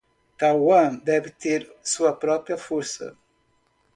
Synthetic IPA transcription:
t̪awɐ̃nd̪ɛvt̪eɾsuɐpɾɔpɾjɐfoɾsɐ̰

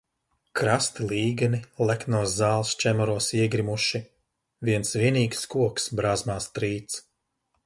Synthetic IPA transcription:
kɾast̪ilˠiːɡanilˠæknuɔzːaːlˠst͡ʃɛmɔɾuɔsiɛɡɾimuʃi | viɛnsviɛniːkskuɔksbɾaːzmaːst̪ɾiːt̪s

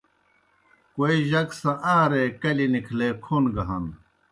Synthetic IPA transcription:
koiʑɐksɐ̃ʔaːɾeːkɐlinikʰleːkʰunɡɐɦɐn

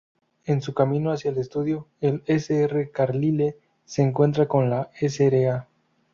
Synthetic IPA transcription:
e̞nsukamĩnoasjaele̞st̪uðjoe̞leseerekaɾlile̞ | se̞ːŋkwe̞nt̪ɾako̞nlaeseɾea

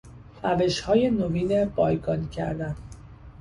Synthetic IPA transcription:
ræve̞ʃhɒːje̞noviːnebɒːjɡɒncʰæ̰ɾd̪æn

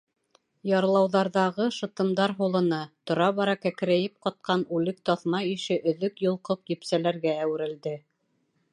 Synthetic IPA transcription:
jɑɾlˠɑwðɑɾðɑʁɤʃɤ̆t̪ɤ̆md̪ɑɾɦulˠɤ̆nɑt̪ŏɾɑβɑɾɑkækɘ̆ɾæjɘp̚qɑt̪̚qɑnʉlɘk̚t̪ɑθmɑiʃɘʔɵ̆ðɵkjŏlˠqoqjɵ̆psælæɾɡæːwɘ̆ɾɘ̆ld̪ɘ

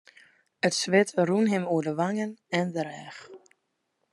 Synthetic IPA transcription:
ətsʋɪtrunɦɪmuədəʋaŋənɛndəɾɛx

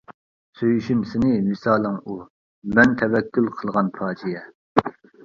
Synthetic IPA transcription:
søjyʃymsɪnɪmɨsɑːlˠɨŋu | mɛnt̪ʰɛvɛkʲːylˠqʰəlˠʁɑnpʰɑːd͡ʒijɛ

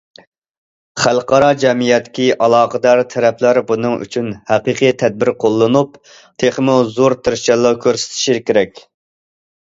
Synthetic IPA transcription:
χælˠqɑɾɑd͡ʒɛmijɛt̪ːɪ̥kʲiʔɑlˠɑːqəd̪ɑɾt̪ʰɛɾɛpʰlæɾbunɨŋy̰t͡ʃʰynhæqɨqʰɨjt̪ʰɛd̪̚bɪɾqʰolˠːɨnup | t̪ʰeχmuzoɾt̪ʰɪɾt͡ʃɛlˠːɑkʲʰøɾsɪ̥t̪ʰɪ̥ʃiɾkʲeɾɛkʲ

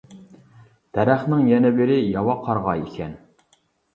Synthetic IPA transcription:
d̪̥ɛɾæχnɪŋjɛnɛbɪɾɪjɑwɑqʰɑɾʁɑikʲʰɛn

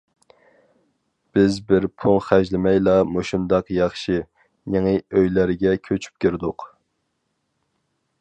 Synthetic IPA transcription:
b̥ɪzbɪɾpʰoŋχæʒlɪmɛjlˠɑmoʃund̪ɑqjɑχʃi | neŋɨøjlæɾɡʲɛkʲʰøt͡ʃʰy̥p̚kʲʰiɾd̪ʊq

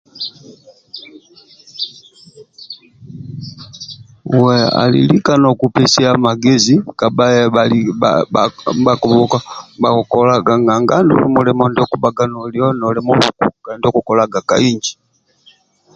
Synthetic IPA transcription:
wɛa̰lḭlikanɔkupɛsɛamaɡɛzikabajɛaliaabakɔbɔkabakɔlaɡaŋɡaŋɡandṵlɛmulɛmɔndiɔkubaɡanɔljɔnɔlɛmɔβṵkṵɡandiɔkukɔlaɡakaiɲd͡ʒi

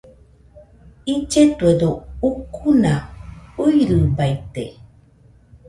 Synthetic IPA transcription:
id͡ʒetəduukʰunaujɾɨbajtḛ

